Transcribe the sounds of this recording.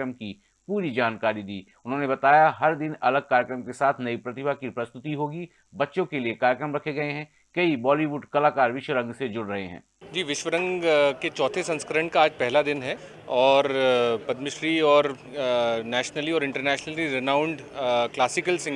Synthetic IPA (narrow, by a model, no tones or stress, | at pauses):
ɾəmki | puːɾid͡ʒaːnkaːɾid̪iː | ʊnɦõːnebɐt̪aːjaɦɐɾd̪ɪnɐləɡ̚kaːɾjəkɾəmkesaːt̪ʰnɐipɾɐt̪ɪbʱakipɾɐst̪ʊt̪iɦoːɡi | bɐtːʃõkeliekaːɾjəkɾəmɾɐkʰeɡɐeɦɛ̃ː | kɐibɔːliʋuːɖkɐlaːkaːɾʋɪʃwəɾɐ̃ŋɡsed͡ʒʊɽɾɐɦḛɦɛ̰̃ː | d͡ʒiːʋɪʃʋəɾə̃ŋɡket͡ʃɔːt̪ʰesɐ̃nskɾə̃ɳɖʈ̚kaaːd͡ʒpɛɦlad̪ɪnɦɛ | ɔːɾpɐd̪mɪʃɾiɔːɾ | nɛːʃnəliɔːɾɪ̃ɳʈəɾnɛːʃnəliɾɪnãːʊ̃ɳɖ | klaːsɪkəlsɪ̃